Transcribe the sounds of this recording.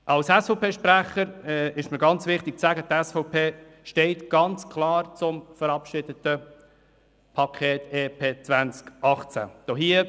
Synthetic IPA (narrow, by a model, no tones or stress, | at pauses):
ʔɑlsɛsfɔpeːʃpɾæχəɾɛɪʃməɾɡɑnt͡sʋɪχt̪ɪk̚t͡sæɡət̪ɛsfɔpʰeː | ʃtɛɪtɡ̥ɑnt͡skʰlɑːrt͡sʊmfəɾɑpʃɪdətə | pʰɑkʰeːt̪eːpʰeːt͡svænt͡skɑχt͡sæ̰d̥oɦiːə